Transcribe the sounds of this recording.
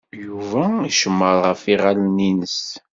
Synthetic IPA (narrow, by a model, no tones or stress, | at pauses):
juvæiʃəmːəɾˤʁəfiʁalninəs